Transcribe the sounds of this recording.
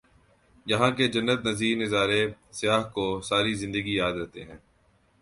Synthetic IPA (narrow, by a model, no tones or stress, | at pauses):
jɐɦãked͡ʒɐnːət̪nɐziːɾnɪzaːɾesɪjaːɦkosaːɾizɪ̃nd̪əɡijaːd̪ɾɛɦt̪eɦɛ̃ː